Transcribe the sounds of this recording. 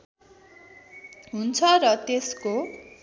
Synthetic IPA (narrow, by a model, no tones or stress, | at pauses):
ɦunt͡sʰʌrʌt̪esko